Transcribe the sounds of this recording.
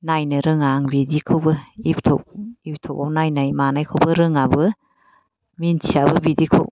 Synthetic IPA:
najnɯɾɯŋaŋbidikʰɯwbɯiptʰo̰k̚ip̚tʰowpawnajnajmanajkʰɯwbɯɾɯŋabɯ | mintʰiabɯbidikʰo̰w

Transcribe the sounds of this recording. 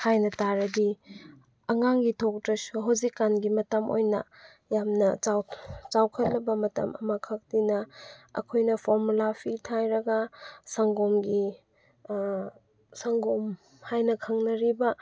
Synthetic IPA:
hajnɐtaɾɐdi | ɐŋaŋɡitʰok̚tɾɐsuɦawzikːanɡimɐtɐmo̰jnɐ̰ | jamnɐawt͡ʃawkʰɐt̚lɐbɐmɐtɐ̰mɐ̰makʰɐk̚dinɐɐ̰kʰojnɐpʰoɾmulapʰitʰajɾɐɡɐsɐŋɡomɡi | sɐŋɡom | hajnɐkʰɐŋnɐɾibɐ

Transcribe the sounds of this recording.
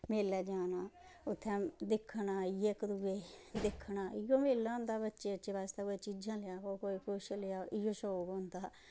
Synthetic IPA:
meːlːɛːd͡ʒaːnaː | ʊt̪ʰːɛ̃ːd̪ɪkʰːnaːɪjeːkəɾuːeːd̪ɪkʰːɳaːɪjoːmeːlːãːʊ̃nd̪aːbətːʃeːəʃeːbaːst̪aːoet͡ʃid͡ʒãːlɪjaːkoːkoːikʰʊʃlɪaːʔɪjoːʃoːɡond̪aː

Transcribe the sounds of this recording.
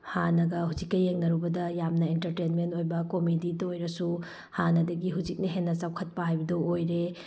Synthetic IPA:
hanɐɡɐɦud͡ʒikːɐjːeŋnɐɾubɐdɐjamnɐentɐɾtenmentojbɐkomiditɐojɾɐsu | hanɐdɐɡiɦud͡ʒik̚nɐɦenːɐt͡ʃawkʰɐt̚pɐɦajbɐdɐojɾe

